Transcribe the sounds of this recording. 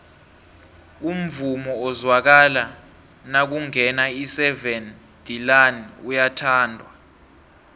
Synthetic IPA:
um̩vumɔːzwak̬ala | nak̬uŋɛnaisɛvɛn | d̥ilanujatʰaːndʱwa

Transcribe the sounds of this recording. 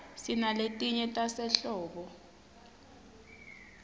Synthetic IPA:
sinaletʼiɲɛtʼasɛɬɔːɓɔ

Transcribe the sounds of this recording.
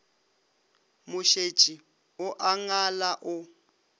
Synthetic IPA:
mʊʃe̥t͡ʃʼi | ʊʔaŋalaʔʊ

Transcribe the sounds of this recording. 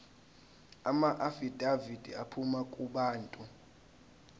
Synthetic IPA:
amaʔafid̥ʱavid̥ʱiapʰumakʼuɓaːntʼu

